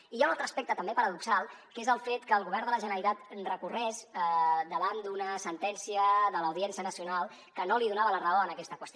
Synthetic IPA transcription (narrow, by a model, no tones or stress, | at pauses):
ijaunalˠt̪ɾəspɛk̚t̪ət̪əmbepəɾəðuksalˠkezəlˠfet̪kəːlˠɣuβ̞ɛɾrnd̪ələʒənəit̪at̪rəkurɛzəd̪əβand̪unəsənt̪ɛnsiəðələwðiɛnsiənəsiunalˠ | kənoliðunaβələrəoənəkɛst̪əkwəst̪